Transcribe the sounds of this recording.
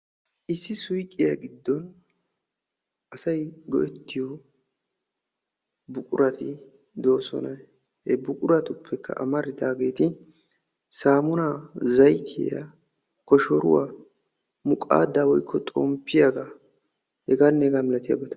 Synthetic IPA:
ʔɪsːɪsʊjkʼːɪjaɡɪd̪ːɔn | ʔɐsɐjɡɔ̰ʔɛt̪ːɪjɔ | bʊkʼʊɾɐt̪ɪ | d̪o̞ːsɔ̰nɐ | hɛbʊkʼʊɾɐt̪ʊpʰːɛkʰːɐ̰ʔɐ̰mɐɾɪd̪aːɡe̞ːt̪ɪ | saːmʊnazɐjt̪ʰɪ̰ja̰ | kɔʃɔɾʊ̰waː | mʊkʼa̰ːd̪aːwɔjkʰːɔt̪ʼɔmpʰːɪjaɡa | hɛɡanːɛɡaːmɪlɐt̪ɪja̰ːbɛt̪ɐ̥

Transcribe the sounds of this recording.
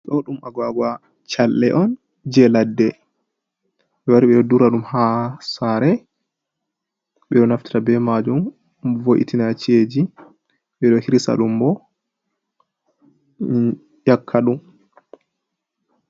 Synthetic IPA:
ɗɔɗumʔaɡwaɡwa | t͡ʃalːɛʔɔn | d͡ʒɛladːɛ | ɓɛwaɾiɓɛɗɔduɾaɗumhasaɾɛ | ɓɛɗɔnafti̥tabɛmad͡ʒum | voʔḭtinat͡ʃed͡ʒi | ɓɛɗɔhiɾisa̰ɗumbɔ | jakʰːaɗum

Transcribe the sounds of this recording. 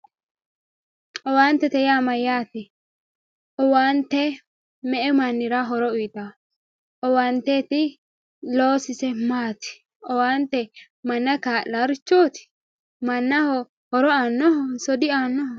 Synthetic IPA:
ʔɔwaːnt̪ːɛt̪ɛjaːmɐjːaːt̪ɪ | ʔɔwaːnt̪ːɛ | mɛʔɛmɐnːɪɾɐɦɔɾɔʊjt̪a | ʔɔwaːnt̪ɛt̪ɪ | loːsɪsɛmaːt̪ɪ̥ | ɔwaːnt̪ɛ | mɐnːɐkaːlɐɾt͡ʃːoːt̪ɪ̥ | mɐnːɐhɔ | hɔɾɔanːɔɔsɔd̪ɪaːnːɔhɔ

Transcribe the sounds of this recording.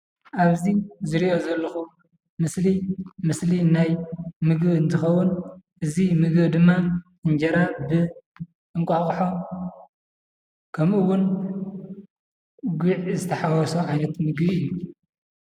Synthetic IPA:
ʔaβzizɨɾiʔo̞zɐlːɐxu | mɨslimɨslinajmɨɡβɨnt̪ʰɨxɐwːʊnʔɨzimɨɡβd̪ɨmːa | ɨnd͡ʒɐɾabɨ | ʔɨŋkʷʼaxʼħo | kʰɐmʔɨwʊn | ɡʷuʕzɨt̪ʰɐħawɔsoʕajnɐt̪mɨɡbɨjːu

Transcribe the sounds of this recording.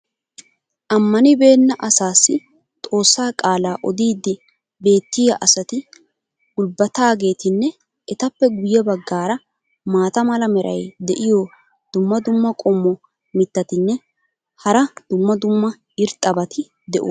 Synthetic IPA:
ʔɐmːɐnɪbe̞ːnːɐʔɐsaːsːɪ | t̪ʼo̞ːsːaːkʼaːlaːʔɔd̪iːd̪ːɪ | be̞ːt̪ːɪjɐʔɐsɐt̪ɪ | ɡʊlbɐt̪aːɡe̞ːt̪ɪnːɛ | ɛt̪ɐpːɛɡʊjːɛbɐɡːaːɾɐ | maːt̪ɐmɐlɐmɛɾʔɐ̰jd̪ɛʔɪjɔ | d̪̥ʊmːɐd̪ʊmːɐkʼɔmːɔ | mɪt̪ːɐt̪ɪnːɛ | hɐɾɐd̪̥ʊmːɐd̪ʊmːɐ | ɪɾt̪ʼːɐbɐt̪ɪ | d̪ɛʔṵ

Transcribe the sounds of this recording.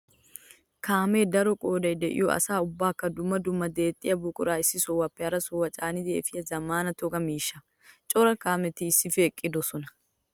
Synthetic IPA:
kaːmeːd̪ɐɾɔkʼoːd̪ɐɪd̪ɛʔɪ̰jɔɐ̰saːʊbːaːkːɐd̪ʊmːɐd̪ʊmːɐd̪eːt̪ʼːɪɐbʊkʼʊɾaːɪsɪsɔwɐpːɛɐɾɐsɔwɐt͡ʃʼaːnɪd̪ḛːfɪjɐzɐmaːnɐt̪ɔɡɐmiːʃɐ | t͡ʃʼɔɾɐkaːmɛt̪iːsːɪfeːkʼːɪd̪ɔsɔnɐ̥

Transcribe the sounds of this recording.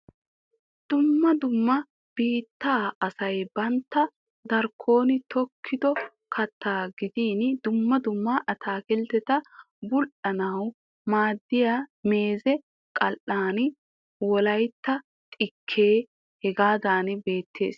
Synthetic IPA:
d̪̥ʊmːɐd̪ʊmːɐ | b̥iːt̪ːaːɐsɐjbɐnt̪ːɐ | d̪ɐɾkʰːo̞ːnɪt̪ʰɔkʰːɪd̪ɔ | kʰɐt̪ʰːaːɡɪd̪iːnd̪ʊmːɐd̪ʊmːaʔɐt̪ʰaːkɛlt̪ɛt̪ɐ | bʊlʔɐnɐw | maːd̪ːɪjameːzɛ | kʼɐlʔaːn | wɔlɐjt̪ːɐ | t̪ʼɪkʰːe̞ː | hɛɡaːd̪aːnbe̞ːt̪ʰːe̞̰ːs

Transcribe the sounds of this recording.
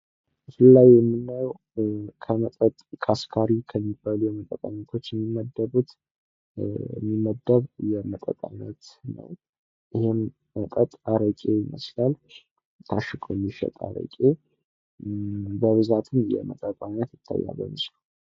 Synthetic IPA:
bəfɨlːaɡjɛmːɨnːəw | kʰəmət̪ʼət̪ʼkʰaskʰaɾikʰəmːibːaljɛmət̪ʼːət̪ʼaɲːət̪ʰo̞t͡ʃːjɛmːimːəd̪ːəβut̪ | ɛmːimːəd̪ːəβjɛmət̪ʼə̰t̪ʼa̰nət̪nə̰w | ʔɪhem | mək̪ʼət̪ʼaɾəkʼejimə̰slal | t̪ʰaʃɨkʼomːiʃə̰t̪ʼa̰ɾə̰kʼe | bəβɨzat̪ʰɨnjɛ̰mət̪ʼət̪ʼaɲːət̪jɪt̪ʰːa̰jːa̰bəmɨslu

